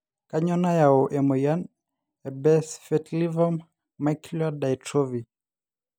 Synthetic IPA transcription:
kaɲɔnajaɔʔɛmɔjan | ɛbɛsfɛtlivɔmː | akladajtʰɾɔvi

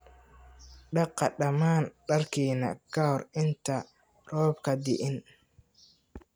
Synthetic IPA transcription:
ɗɐqːɑɗɐmaːnɗɐɾkiːnɐ̰kahɔɾɪnt̪a | ɾɔːbkɐd̪ɪʔɪn

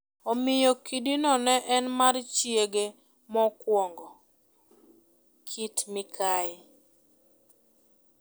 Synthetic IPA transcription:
ɔmɪjɔkidinɔnɛʔɛnmart͡ʃjeɡe | mɔkwɔŋɡɔ | kʰitmɪkʰaɪ

